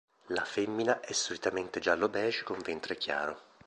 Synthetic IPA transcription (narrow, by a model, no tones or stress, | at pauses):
lafemːinaʔɛsːolit̪ament̪ed͡ʒalːobɛːt͡ʃe̥koɱvent̪ɾek̟ja̰ːɾo